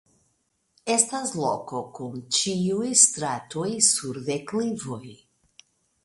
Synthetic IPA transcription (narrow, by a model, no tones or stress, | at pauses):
estaslo̰ko̞kunt͡ʃiujstɾatojsuɾðeklivoj